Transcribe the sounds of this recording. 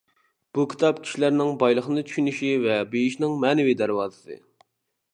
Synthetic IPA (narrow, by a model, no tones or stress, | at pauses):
b̥ukʲʰi̥t̪ʰɑp̚kʲʰi̥ʃilæɾnɪŋbɑjlˠəχənɨt̪ʰy̥ʃynyʃivɛbejiʃnɪŋmɛːnɪvid̪æɾwɑːzɨsɨ̰